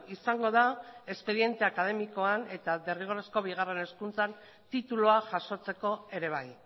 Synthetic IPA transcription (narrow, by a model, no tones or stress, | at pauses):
isaŋɡo̞ð̞ae̞spe̞ðie̞nt̪e̞akað̞e̞miko̞ane̞t̪aðe̞riɣ̞o̞ɾesko̞βiɣ̞are̞ne̞skunt͡san | t̪it̪uloaʝaʃo̞t͡se̞ko̞e̞ɾe̞β̞aj